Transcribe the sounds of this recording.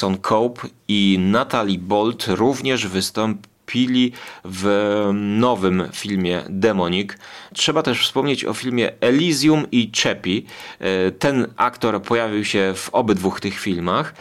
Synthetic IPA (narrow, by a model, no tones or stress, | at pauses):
sɔnkʰɔwpinat̪alʲibɔlt̪ɾuvɲɛʐvɘst̪ɔmpʲilʲiv | nɔvɘmfʲilmʲjɛ̰d̪ɛmɔɲiktʂɛbat̪ɛʂfspɔmɲet͡ɕɔ̰fʲilmʲjɛʔɛlʲizʲjumit͡ʂɛpʲi | t̪ɛnʔa̰kt̪ɔɾpɔjavʲiwɕɛv̥ɔbɘd̪vuxt̪ɘxfʲilmax